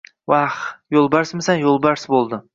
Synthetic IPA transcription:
waχjolˠbaɾsmɪsanjolˠbaɾsbolˠd̪ɪ

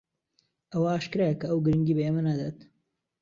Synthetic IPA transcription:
ɐwaaːʃkɨɾekɐɐwɡɨɾɨŋɡiːbɐemɐnaːd̪at̪

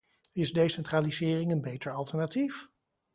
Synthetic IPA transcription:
ɪzdejsɛntraːlizɪːrɪŋənbejtəɹɑlˠtəɹnatif

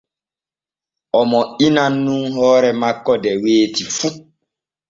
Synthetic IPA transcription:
ʔɔmɔinanːunɦɔːɾɛmakːɔdɛweːtifu

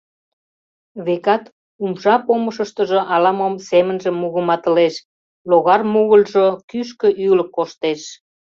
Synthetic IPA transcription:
βekɑt̪ | umʃɑpoməʃəʃt̪əʒoʔɑlɑmomsemənʒə̆mːuɣəmɑt̪əleʃ | loɣɑrmuɣəlʒokyʃ̬kə̆ʔyləkːoʃt̪eʃ

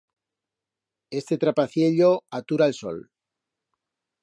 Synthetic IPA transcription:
e̞st̪e̞t̪ɾapaθje̞ʎoat̪uɾaelso̰l

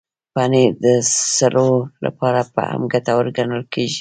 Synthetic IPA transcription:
pɑned̪əsaɾola̰pɑɾapə̰a̰mɡat̪awəɾɡanəlkeʒi

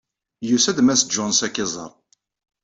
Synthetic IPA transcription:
jusæd̪mæsd͡ʒɔnsækːɪzˤə̰ɾˤ

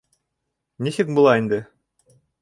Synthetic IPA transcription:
nisɘk̚bulˠɑind̪ɘ

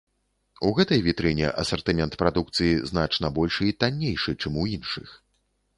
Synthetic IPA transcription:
uɣɛt̪ɐjvʲit̪ɾɨnʲɛ̰ʔɐ̰sɐrt̪ɨmʲɛnt̪pɾad̪uk̚t̪sɨjizn̪at͡ʂnɐbɔlʲʂit̪anʲːejʂɨt͡ʂɛmujinʂɨ̰x

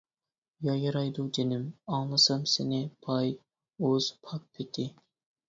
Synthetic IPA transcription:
jɑjɨɾɑjd̪ud̪enɪmɑŋlˠɨsɨmsɪnɪpʰɑj | oz̥pʰɑk̚pʰɪt̪ʰɪ

